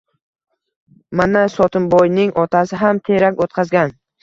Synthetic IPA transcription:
manasɒt̪ʰɪmbɒjnɪŋʔɒt̪ʰasɪɦamt̪ʰeɾakʲot̪̚qʰɑzɡʲan

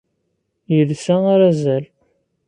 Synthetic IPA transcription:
jəlsæaɾæzæl

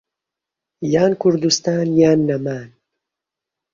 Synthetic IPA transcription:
jaːnkʰuɾd̪ust̪aːnjaːnːɐmaːn

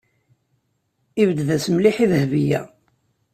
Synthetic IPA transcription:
ivəd̪ðæsəmliħiðəhvijæ̰

